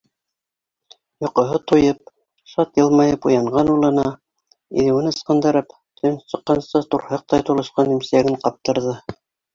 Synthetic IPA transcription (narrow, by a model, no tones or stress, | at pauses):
jŏqŏɦɤt̪ujɤp̚ | ʃɑt̪jɤ̆lˠmɑjɤpṵjɑɴɢɑnulˠɤ̆nɑ | ḭðɘwɘnɤ̆sqɤ̆nd̪ɤ̆ɾɤp | t̪ʰɵnsɤ̆qːɑnsɑt̪uɾhɤq̚t̪ɑjt̪ulˠɤ̆ʃqɑnimsæɡɘɴqɑp̚t̪ɤ̆ɾðɤ